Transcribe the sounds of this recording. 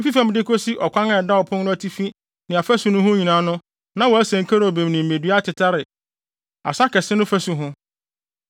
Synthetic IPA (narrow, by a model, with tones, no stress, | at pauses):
ɪ̃˦fi˦fã˦m˦dɪ˦kʰo˦si˦ʔɔ˨kʷʰã˦ŋa˨ɛ˨da˦ɔ˨pʰʊ̃˦nnʊ̃˦æ˦tʰi˦fĩ˦ | nɪ̃˨a˨fæ˦su˨˦nʊ̃˦ɦʊ̃˦ɲĩ˨nã˨˦nʊ̃˦ | nã˦wɔ˨˦æ˦sæ̃˨ŋ˨kʰa˦ɾɔ˨bẽ˨m˨nɪ̃˨m̩˨me˨dɥa˦tʰɪ˨tʰa˦ɾɪ˨ | a̰˨sa˦kɛ˨sɪ˦nʊ̃˦fæ˦su˨ɦʊ̃˦